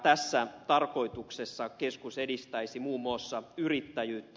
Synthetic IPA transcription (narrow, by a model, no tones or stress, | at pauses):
t̪æsːæt̪ɑrko̞it̪uksesːɑkeskusedist̪æisimuːmːoˑsːɑyrit̪ːæjyːt̪ː